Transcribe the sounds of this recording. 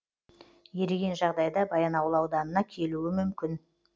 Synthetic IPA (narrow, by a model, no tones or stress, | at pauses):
je̞ɾeɡʲe̞nʒɑʁd̪ɑjd̪ɑbɑjɑnɑwəlˠɑwd̪ɑnənɑkʲʰe̞luɪmʏmkʲɪn